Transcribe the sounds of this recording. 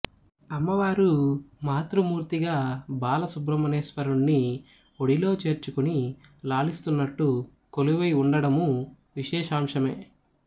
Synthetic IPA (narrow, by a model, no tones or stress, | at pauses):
ɐmːɐʋaːɾumaːt̪ɾumuːɾt̪iɡaːbaːlɐsubɾɐmɐneːsʋɐɾuɳːi | oɽilo̞ːt͡ʃe̞ːɾt͡ʃukunilaːlist̪unːɐʈːu | koluʋɐjuɳɖɐɽɐmu | ʋiʃɛːʃaːmʂɐme̞ː